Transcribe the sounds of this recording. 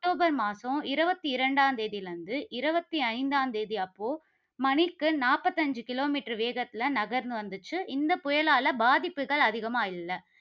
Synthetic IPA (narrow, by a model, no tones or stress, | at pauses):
k̚ʈːoːbɐɾmaːsɐ̃ɪɾɯbɐt̪ːiɪɾɐɳɖaːnd̪eːðɪlɐnd̪ɯʔɪɾɯbɐt̪ːiɐɪnd̪aːnd̪eːðiɐpːoː | mɐnɪkːɯnaːpɐt̪ːɐɲd͡ʒɯkɪloːmiːʈɐɾʋeːɣɐt̪ːɪlɐnɐɣɐɾnd̪ɯʋɐnd̪ɯt͡ʃːɯʔɪnd̪ɐpʊjɐɭaːlɐbaːðɪpːɯɣɐɭɐðɪɣɐmaːɪlːɐ